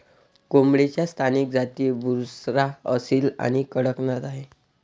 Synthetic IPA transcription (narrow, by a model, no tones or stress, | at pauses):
komɽet͡ɕjast̪ʰanik̚d͡zat̪iebʱuɾsɾaəsiːla̰ñikəɽəknat̪aɦe